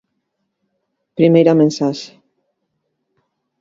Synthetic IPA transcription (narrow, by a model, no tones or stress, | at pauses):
pɾimejɾamẽnsaʃe̥